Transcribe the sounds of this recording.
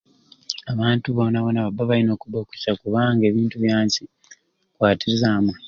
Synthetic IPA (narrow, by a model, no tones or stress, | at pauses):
aβaːntuβo̞naβo̞naβabaβalino̞ːkuβoːku̥cakuβaŋɡe̞ːβiːntuβjaːɲci | kwaːtiɾizamwa